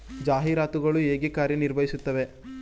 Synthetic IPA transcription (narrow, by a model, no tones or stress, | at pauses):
d͡ʒaːɦiɾaːt̪uɡɐɭueːɡikaːɾjɐniɾbʱɐjisut̪ːɐʋe̞